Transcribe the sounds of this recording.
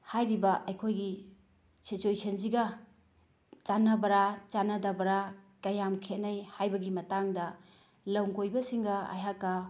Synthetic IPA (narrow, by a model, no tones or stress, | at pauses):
hajɾibɐʔɐjkʰojɡi | sit͡ʃuesɐnsiɡɐ | t͡ʃanɐbɐɾat͡ʃanɐdabɐɾakɐjamkʰet̚nɐjhajbɐɡimɐtaŋdɐ | lɐwŋɡojbɐsiŋɡɐɐ̰jɦakːa